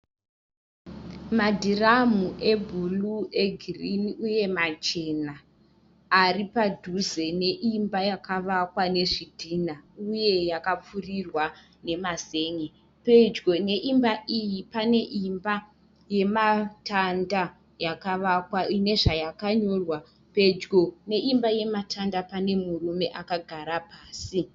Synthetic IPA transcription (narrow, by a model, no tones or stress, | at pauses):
madʱiramuʔe̞bʱulue̞ɡʱiriniuje̞mat͡ʃe̞naː | ripadʱuze̞ne̞ʔimbajakaʋakwane̞ʐidʱinauje̞jakap͡furirwa | ne̞maze̞ːŋe | pe̞d͡ʒɡo̞ne̞ʔimbaʔijipane̞ʔimba | je̞matanda | jakaʋakwaine̞ʐajakaɲo̞rwa | pe̞d͡ʒɡone̞ʔimbaje̞matʰandapane̞murume̞ʔakaɡʱaɾapaːsi